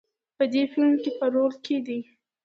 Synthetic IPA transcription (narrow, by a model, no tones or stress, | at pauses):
pəd̪efɪlmkepəɾolkʰed̪i